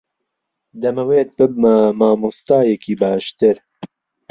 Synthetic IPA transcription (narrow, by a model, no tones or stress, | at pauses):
d̪ɛmɛweːt̪̚bɨb̚mɐmaːmust̪ɑːjɛkʰiːbɑːʃt̪ɨɾ